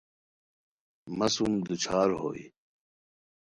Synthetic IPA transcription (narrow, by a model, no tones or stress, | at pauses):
mɐsumd̪ut͡ɕʰaːɾɦo̰ːḭ